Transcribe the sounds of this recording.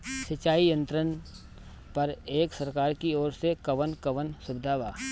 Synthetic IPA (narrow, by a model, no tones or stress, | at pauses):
sɐt͡ʃaːijə̃nt̪ɾən | pɐɾeːksɐɾkaːɾkiɔːɾsekɐʋənkɐʋənsʊbd̪ʱaːʋaː